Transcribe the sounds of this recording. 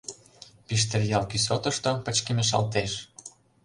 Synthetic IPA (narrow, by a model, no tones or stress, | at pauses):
piʃt̪erjɑlkysot̪ɤ̆ʃt̪opə̆t͡ɕkemeʃ̬ɑ̰lt̪eʃ